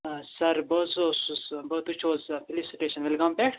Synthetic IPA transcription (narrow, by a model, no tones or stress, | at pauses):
sɐɾbəzosusbɐt̪ut͡ʃʰoːzfilisiʈeːʃɐnʋilɡɐmpeʈʰ